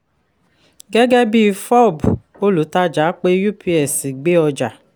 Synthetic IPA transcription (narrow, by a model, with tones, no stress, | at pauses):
ɡɛ˦ɡɛ˦bi˦˨fɔ˦˨bu˨ | o˦lu˨˦ta˦d͡ʒa˨˦k͡pe˦ju˦pʰi˨˦ɛ˨si˨ɡ͡be˦ɔ˧d͡ʒa˨